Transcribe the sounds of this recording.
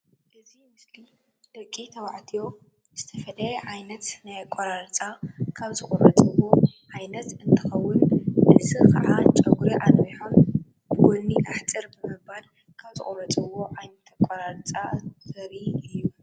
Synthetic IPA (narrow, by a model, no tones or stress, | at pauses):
ʔɨzimɨsli | d̪ɐkʼit̪ʰɐwaʕt̪ʰijo̞ | z̥ɨt̪ʰɐfɐlɐjɛʕajnɐt̪najakʼɐɾaɾt͡sʼakʰaβzɨkʼɔɾɐt͡sʼɨwo̞ʕajnɐt̪ɨnt̪ʰɨxɐwːʊnnɨʔsɨkʰa̰ʕat͡ʃʼɐɡʰuɾiʔanwiħon | b̥ɨwɔnːiʔaħt͡sʼɨɾbɨmɨbal | kʰaβzɨ̰χʼoɾɐt͡sʼɨwo̞ʕajnɐt̪ʰakʼɐɾaɾt͡sʼazɐɾiɨjːu